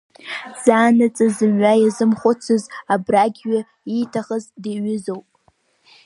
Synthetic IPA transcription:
z̥aːnɨt͡sʼazɨmɥajazɨmχʷʊt͡sʰɨzabraɡʲɥa | itʰaχəzdeɥʏzowpʼ

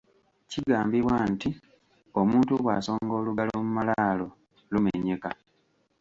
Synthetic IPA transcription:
ciɡaːmbiβwanti | o̞muːntuβwa̰ːso̞ːŋɡo̞ːluɡalomumalalo̞ | lumḛɲe̞ka

